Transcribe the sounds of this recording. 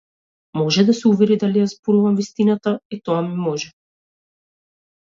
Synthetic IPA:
mɔʒɛd̪asɛuvɛɾid̪alijazbɔluvamvist̪inat̪ait̪ɔamimɔʒɛ

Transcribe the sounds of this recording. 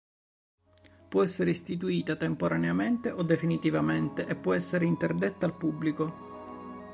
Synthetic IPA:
pwɔɛsːeɾeist̪it̪̬uiːt̪at̪empoɾaneament̪eʔod̪ːefinit̪ivament̪eʔepːwɔɛsːeɾeint̪erd̪et̪ːaːlpubːliko

